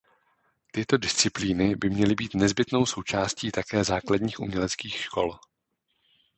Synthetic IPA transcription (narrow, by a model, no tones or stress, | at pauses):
t̪ɪt̪o̞dɪst͡sɪpliːnɪbɪmɲɛlɪbiːt̪nɛzbɪt̪no̞wso̞wt͡ʃaːsciːt̪akɛːzaːkladɲiːxʔṵmɲɛlɛt͡skiːxʃko̞̰l